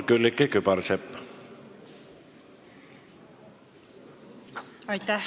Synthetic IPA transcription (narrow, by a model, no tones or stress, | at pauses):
kylːikːekypɑɾsep | ɑjt̪æ